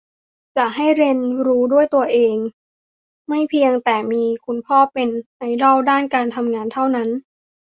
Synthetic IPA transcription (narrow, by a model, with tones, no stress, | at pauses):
t͡ɕa˨˩ɦa˥˩jɾe˧nɾuː˦˥du˥˩əjt̪u˧ɐʔeː˧ŋ | ma˥˩jpʰi˧əŋt̪ɛː˨˩miː˧kʰu˧npʰɔː˥˩pe˧nːa˧jdɔ˥˩wdaː˥˩nkaː˧nt̪ʰa˧mŋaː˧nt̪ʰa˥˩wna˦˥n